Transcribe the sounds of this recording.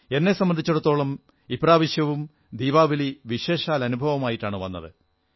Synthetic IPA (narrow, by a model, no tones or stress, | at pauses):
e̞nːe̞sɐmːɐnd̪ʱit͡ɕːuɽut̪ːo̞ːɭɐm | ibraːʋɐɕjɐʋum | d̪iːʋaːʋiliʋiɕe̞ːʂaːlɐnubʱɐʋɐmaːjiʈːaːɳɨʋɐ̰nːɐ̰ðɨ